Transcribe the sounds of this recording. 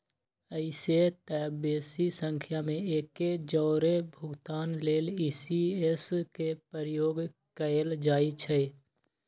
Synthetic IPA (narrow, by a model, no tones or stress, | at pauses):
əɪset̪ɛːbeːsisə̃ŋkʰjamẽeːked͡ʒɔːɾebʱʊɡt̪aːnleːliːsieskepəɾjoːɡ | kəeld͡ʒaːit͡ʃʰɛ